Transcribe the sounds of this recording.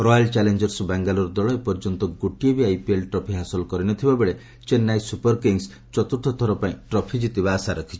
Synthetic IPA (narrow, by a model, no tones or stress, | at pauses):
ɾɔjalt͡ʃalend͡ʒɔɾsbaŋɡalɔɾd̪ɔɭɔepɔɾd͡ʒɔnt̪ɔɡuʈiebiajpielʈɾɔpʰiɦasɔlɔkɔɾinɔt̪ʰibabeɭe | t͡ʃenːajsupɔɾkiŋs | t͡ʃɔt̪uɾt̪ʰɔt̪ʰɔɾɔpaĩʈɾɔpʰid͡ʒit̪ibaːsaɾɔkʰi̥t͡ʃʰi